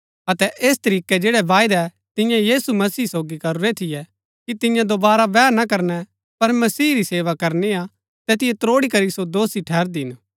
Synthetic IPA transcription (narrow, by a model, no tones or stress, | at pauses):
ɐt̪ɛʔeːst̪ɐɾiːkɛd͡ʒeːɽɛʋaːɪd̪ɛ | t̪ɪ̃jãjiːsumɐsiːsoːɡikɐɾuɾet̪ʰɪjɛ | kit̪ɪ̃jãd̪obaːɾabɛːɾnakɐɾnɛ | pɐɾmɐsiːɾiseːʋakɐɾnea | t̪ɛːt̪ɪjɛt̪ɾoːɽikɐɾisod̪oːsiʈʰɛːɾd̪iɦɪn